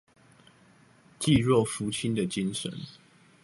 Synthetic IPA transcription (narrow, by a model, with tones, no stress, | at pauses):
t͡ɕi˥˨ɻwɔ˥˨fu˨˦t͡ɕʰi˦nd̪ə˨t͡ɕi˦nʂə̰˨˦n